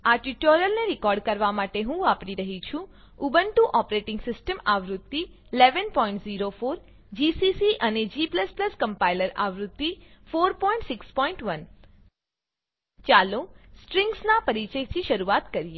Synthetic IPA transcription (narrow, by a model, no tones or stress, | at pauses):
aʈuʈoɾijəlneɾɪkɔɾɖkəɾʋamaʈeɦũapɽiɾəɦit͡ʃʰũ | ubənʈũʔɔpɾeʈɪ̃ŋɡsɪsʈəmaʋɾʊd̪ːi | leʋənpɔĩɳʈziɾofoɾ | d͡ʒisisiʔəned͡ʒipləspləskəmpailəɾa̰ʋɾʊd̪ːifoɾpɔĩɳʈsɪkspɔĩɳʈʋən | t͡ʃalosʈɾɪŋɡsnapəɾit͡ʃəjt̪ʰiʃəɾuat̪kəɾije